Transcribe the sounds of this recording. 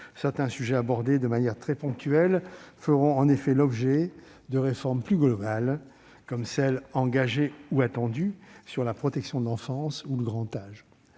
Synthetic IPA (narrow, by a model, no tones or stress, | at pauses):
sɛʁt̪ɛ̃syʒɛabɔʁd̪ed̪əmanjɛʁt̪χɛpɔ̃k̚t̪yɛlfəʁɔ̃ɑ̃nefɛlɔbʒɛ | d̪əʁefɔʁmplyɡlɔbal | kɔmsɛlɑ̃ɡaʒeuat̪ɑ̃d̪ysyʁlapχɔt̪ɛksjɔ̃d̪əlɑ̃fɑ̃suləɡʁɑ̃t̪aʒ